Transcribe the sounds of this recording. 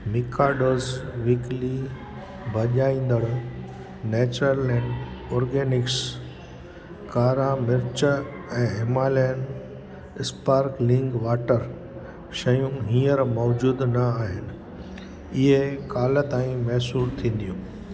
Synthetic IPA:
mɪkaːɖoːzʋiːkli | bʱɐʄaːĩːn̆d̪əɽ | nɛːt͡ɕɾəlɛ̃ːɳɖɔːɾɡeːnɪks | kaːɾamɪɾt͡ɕə | ɛ̃ːɦɪmaːlɛn | ɪspaːɾklɪ̃ŋɡʋaːʈəɾ | ʃɐjũɦĩːəɾmɔːd͡ʑuːd̪nɐaːɦɪnɪ̆ | ɪɦekaːlət̪aːĩmɛɦsuːɾt̪ʰĩːn̆d̪ijũː

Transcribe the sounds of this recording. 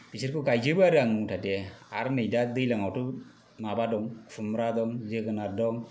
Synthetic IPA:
piseɾkɯkajd͡ʒɯbuaɾɯaŋuŋtʰatiɛaɾnejdad̪ɯjlaŋɔwtu | mabadɔŋkʰumɾadɔŋzeɡɯnadɔŋ

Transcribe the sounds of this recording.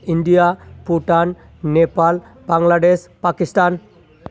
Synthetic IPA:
iɳɖijapuʈan | nepal | baŋɡlaɖespakisʈaːn

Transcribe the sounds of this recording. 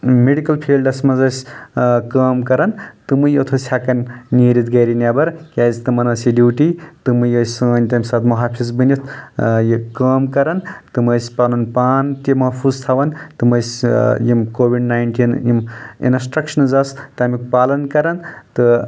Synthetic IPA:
meɖikɐlpʰiːlɖɐsʲmɐzɐsʲkɐːmkɐɾɐnt̪ɨmɨjot̪ʰosʲʰaːkɐnʲniɾit̪̚ɡɐɾinʲɐbɐɾkʲaːzt̪ɨmɐnɐsiɖiːʈit̪ɨmɨjɐsʲɐnʲt̪ɐmʲsaːt̪muɦaːpʰizbɨnit̪ʰjkɐːmkɐɾɐnt̪ɨmɐsʲpalunpaːnt̪imɐɦpʰuːzt̪ʰaʋɐnt̪ɨmɐsʲjimkoːʋiɖnajɳʈinjimḭnsʈɾɐkʃɐnzɐst̪ɐmik̚paːlɐnkɐɾɐnt̪ɨ

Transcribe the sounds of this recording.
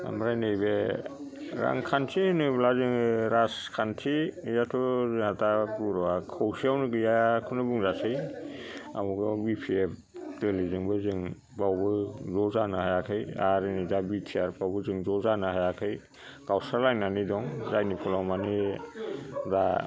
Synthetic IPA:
a̰mɾajnejbe | ɾa̰ŋkʰantʰihɯnɯblazɯŋɾaskʰantʰijatʰɔzɯatʰaɡuɾɔwakʰowsiawnɯɡɯjakʰunɯbuŋzasɯj | a̰mɔɡɔbipʰiep | dɯlizɯŋbɯzɯŋ | bawbɯzɔzanɯhajakʰɯjaɾɯnizabitʰiaɾpawbɯzɯŋzɔzanaɦajakʰɯj | ɡawsaɾlajnanidɔŋzajnipʰɔlɔmani | da

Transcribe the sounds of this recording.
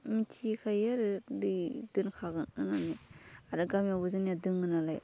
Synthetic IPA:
mitʰikʰajaɾɯlɯdɯnkʰaɡɯnɯnaniaɾɯɡamjabuzɯnjadɯŋɯnalaj

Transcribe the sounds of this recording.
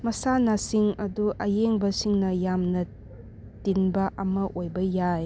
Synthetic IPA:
mɐsanasiŋɐduʔɐjeŋbɐsiŋnɐjamnɐ | tinbɐʔɐmɐʔojbɐjaj

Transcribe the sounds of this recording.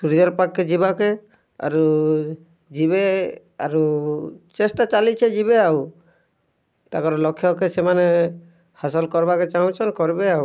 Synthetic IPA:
suɾid͡ʒɔɾpakːed͡ʒibake | a̰ɾu | d͡ʒiβe | a̰ɾut͡ʃesʈat͡ʃalit͡ʃʰed͡ʒibeaw | t̪akɔɾɔlɔkʰjɔkesemane | hasɔlkɔɾbaket͡ʃaɦũt͡ʃʰɔnkɔɾbeau

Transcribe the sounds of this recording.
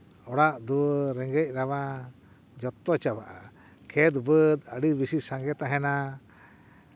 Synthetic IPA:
ɔɽaʔd̪uəɾɛŋɡɛc̚ˀɾaβa | d͡ʒɔt̪ːɔt͡ʃabaʔa̰ | kʰɛd̪bəd̪əɽibisisaŋɡɛt̪aɦɛna

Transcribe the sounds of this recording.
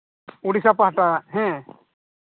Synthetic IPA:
uɽisapaɦʈaɦɛ̃

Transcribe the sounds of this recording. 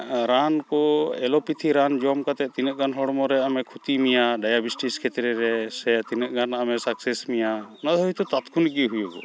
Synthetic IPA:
ɾankɔɛlɔpit̪ʰiɾand͡ʒɔmkat̪ɛt̪inəʔ̚ɡanɦɔɽɔmɔɾɛamɛkʰut̪imijaɖajabisʈiskʰɛt̪ɾɛɾɛsɛat̪inəʔ̚ɡanaamɛsaksɛsmijanad̪ɔjt̪ɔt̪at̪kʰunɡiɦujubɔ̰

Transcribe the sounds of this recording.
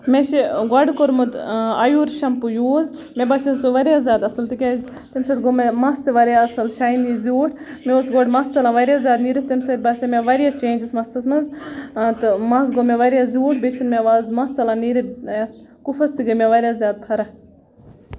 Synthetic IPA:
meʃeɡɐɖkoɾmud̪ɐjuːɾʃɐmpujuːzmebɐsɐsoʋɐɾjaːzʲjaːd̪ɐsɐlt̪ɨkʲazʲ | t̪imsɐd̪ɡomemɐst̪ɨʋɐɾjaɐsɐlʃajnizʲuːʈʰ | meoːsɡoːɖmɐst̪t͡sɐlãːʋɐɾʲjazʲjaːd̪niːɾit̪imsɐɾʲbɐsemʲeʋɐɾijat͡ʃẽːnd͡ʒɐsmɐst̪ɐsmɐnzt̪ɨmɐsɡomeʋɐɾʲjazʲuːʈʰbeʃinmeʋaːzmɐt̪t͡sɐlãːniːɾi | kufʰɐst̪iɡɐmʲeʋɐɾʲjaːzʲjaːd̪̚pʰɐɾɐ

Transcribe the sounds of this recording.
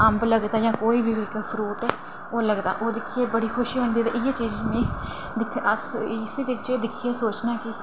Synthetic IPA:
əmbləɡd̪aːd͡ʒãːkoːiːʋɪʋɪkpʰɾuːt̪ː | oːləɡd̪a̰ːʔoːd̪ɪkʰːieːbəɽiːkʰʊʃiɦʊ̃ːnd̪iːt̪ḛːʔɪaːt͡ʃiːd͡ʒmĩː | d̪ɪkʰəssd͡ʒɪt͡ʃed̪ɪkʰːeːsoːt͡ʃnaːkɪ

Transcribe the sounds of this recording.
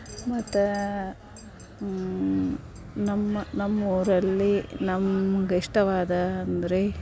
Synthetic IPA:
mɐt̪ːɐ | nɐmːɐnɐmːoːɾɐlːinɐmɐɡiʂʈɐʋaːd̪ɐːnd̪ɐɾe

